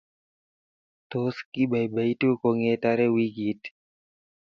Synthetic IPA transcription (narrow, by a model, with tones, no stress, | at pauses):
t̪o˦ski˦ba˨jba˨i˦to˦ko˨ŋe˦ta˦ɾe˦wi˦ɡi˨t